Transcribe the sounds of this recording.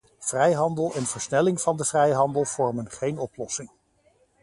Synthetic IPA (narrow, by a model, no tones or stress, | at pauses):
v̥rɛjɦɑndəlˠɛnv̥əɹsnɛlɪŋvɑndəv̥rɛjɦɑndəlˠv̥ɔɹmənχejnɔplɔsɪŋ